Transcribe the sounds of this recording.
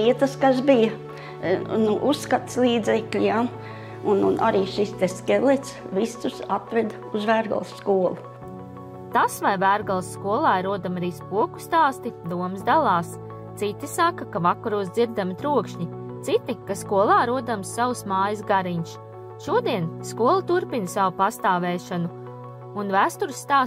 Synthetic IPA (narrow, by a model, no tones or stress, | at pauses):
iɛt̪əskasbijɐ | nuʔusːkat̪slˠiːd̪zɛklʲija | ununʔaɾiːʃist̪ɛskelˠet̪s | visusat̪ɾɛd̪ | uzvæːɾɡa̰lˠsːkuɔlˠu | t̪asvajvæːɾɡalˠsːkuɔlˠɑːɾuɔd̪amɾiːspuɔku̥st̪aːst̪id̪uɔmszd̪alˠɑːs | t̪sit̪isakːakavakɐɾuːsd̪iɾd̪amit̪ɾuɔkʃɲi | t̪sit̪ikaskuɔlˠɑːɾuɔd̪amsːawsmaːjɐsɡaɾiɲʃ | ʃuɔd̪iɛnskuɔlˠɐt̪uɾpinsawupast̪aːvɛːʃanu | unvæːst̪uɾsːt̪aː